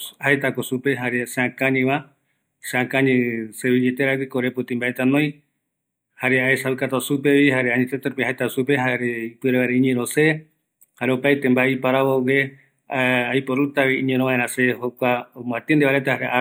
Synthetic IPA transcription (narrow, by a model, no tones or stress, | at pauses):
haet̪akosupeɦaɾeseãkãɲĩʋa | seãkãɲĩseβid͡ʒet̪eɾakikoɾeput̪ĩmbaet̪anõj̃ | haɾeaesaɨkat̪osupeβiɦaɾeaɲĩt̪et̪aɾupiɦaejt̪asupeɦaɾeipɨɾeβaɾeĩɲẽɾõse | haɾeopajt̪embaeipaɾaβowe | ajpoɾut̪aβiiɲẽnɾõβãeɾãsehokʷaomãt̪ind̪eβaɾet̪ahaɾea